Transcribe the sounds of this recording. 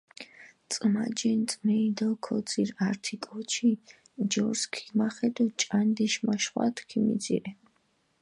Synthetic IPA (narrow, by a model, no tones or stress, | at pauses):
t̪t͡sʼmad͡ʒɛnt̪t͡sʼmɛid̪ɔkʰɔd̪t͡siɾaɾt̪ʰikʼɔt͡ʃʰi | d͡ʒɔɾskʰi̥maχɛd̪ɔt͡ʃʼand̪ɛʃmaʃχwa̰t̪ʰkʰimḭd̪zḭɾɛ